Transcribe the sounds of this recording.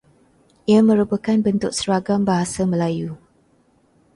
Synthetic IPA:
ʔiamə̃ɾupəkanbənt̪ʊk̚səɾaɡambaɦasamə̃laju

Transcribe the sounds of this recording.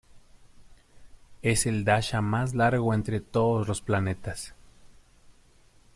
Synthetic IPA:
eseld̪aʃamas̬laɾɣoent̪ɾet̪oðozlosplanet̪as

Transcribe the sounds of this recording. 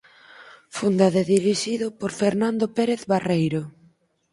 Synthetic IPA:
fund̪aðeðiɾiʃiðʊpoɾfeɾnand̪opeɾeθβarejɾo

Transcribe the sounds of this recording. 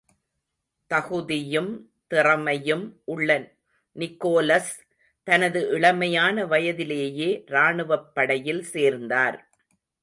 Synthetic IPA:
t̪ɐɣɯðɪjɯm | t̪ɪrɐmɐjɯmʔʊɭːɐn | nɪkːoːlɐs | t̪ɐnɐðɯʔɪɭɐmɐjaːnɐʋɐjɐðɪleːjeːɾaːɳɯʋɐpːɐɽɐjɪlseːɾnd̪aːɾ

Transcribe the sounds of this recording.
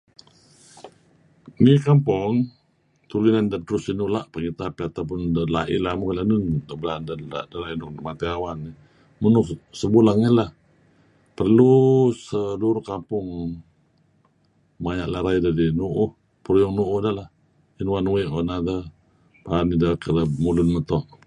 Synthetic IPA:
nikampɔŋ | t̪ulinandat̪ɾʊsinulaʔpəŋit̪apɛat̪ap̬ʊndalaʔɪ̰lamukalanundəbəlandala̰ʔdalainʊkmat̪iawanːi | munʊhsəbulaŋilah | pərlusəluɾʊhkampʊŋ | majaʔlaɾaidadinuʔʊh | pəɾujɔŋnuʔʊhdalah | inuwanuɪʔanadə | panidakəlamulʊnmət̪ɔʔ

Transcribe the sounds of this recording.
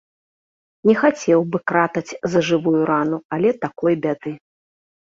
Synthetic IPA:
nʲɛxat͡sʲɛwbɨkɾat̪ɐt͡sʲzɐʐɨvujuɾanualʲɛt̪akɔjbʲad̪ɨ

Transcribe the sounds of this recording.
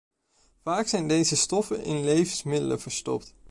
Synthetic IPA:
vaːksɛjndejzəstɔfənʔɪ̰nlejvənsmɪdələ̰v̥əɹstɔ̰p̚t

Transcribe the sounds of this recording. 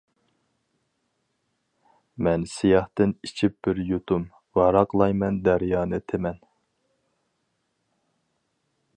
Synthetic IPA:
mɛnsijɑht̪ɨnit͡ʃʰip̚b̥ɪɾjut̪ʰum | vɑɾɑqlˠɑjmɛnd̪æɾjɑːnɨt̪ʰɪmɛn

